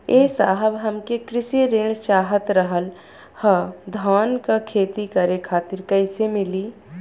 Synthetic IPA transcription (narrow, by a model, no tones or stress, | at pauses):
eːsaːɦəbɦɐmkekɾɪsiɾeːɳ̃t͡ʃaːɦət̪ɾəɦəl | həd̪ʱaːnkakʰeːt̪ikɐɾekʰaːt̪ɪɾkɐɪsemɪliː